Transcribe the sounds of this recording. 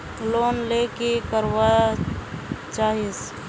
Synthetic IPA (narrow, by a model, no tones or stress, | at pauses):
loːnlekekəɾwa | t͡ʃaːɦɪs